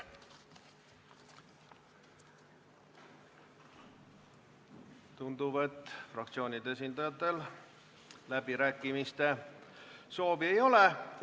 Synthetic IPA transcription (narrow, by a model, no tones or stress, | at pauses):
t̪und̪ube̞t̪ːˑfrɑk̚t̪sio̞ːnʲid̪eesʲind̪̥ɑjɑt̪ːˑe̞l | læbiɾæːkːˑimist̪e̞ | so̞ːvie̞jo̞le